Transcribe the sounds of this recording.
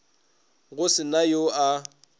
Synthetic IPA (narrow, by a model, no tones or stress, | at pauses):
ɣʊsɪnajoa